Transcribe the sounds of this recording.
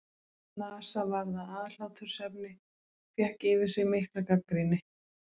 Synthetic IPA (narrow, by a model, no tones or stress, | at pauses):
naːsavaɾðaaːðl̥awt̪ʰʏɾ̥sɛp̚nɪ | fjɛhkɪːvɪ̥sɪɣmehklakakːɾinɪ